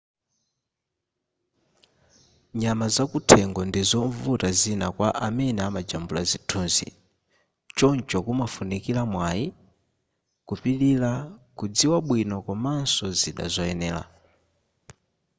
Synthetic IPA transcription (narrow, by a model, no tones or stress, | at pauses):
ɲamazakutʰɛŋɡɔndizɔɱvutazinakwaʔamɛnɛamad͡ʒambulazitʰunzḭ | t͡ʃɔnt͡ʃɔkumafunikilamwaji | kupililakud͡ziwaɓwinɔkɔmansɔziɗa̰zɔɛnɛːla̰